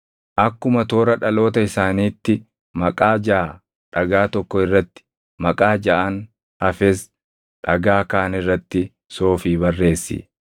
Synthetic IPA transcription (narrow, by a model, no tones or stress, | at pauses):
ʔɐkːʊmɐt̪o̞ːɾɐᶑɐlo̞ːt̪ɐɪsaːniːt̪ːɪ | mɐkʼaːd͡ʒɐʔa | ᶑɐɡaːt̪ɔkːɔɪrːɐt̪ːɪ̥ | mɐkʼaːd͡ʒɐʔɐn | ɐfɛs | ᶑɐɡaːkaːnɪrːɐt̪ːɪ | so̞ːfiːbɐrːe̞ːsːḭː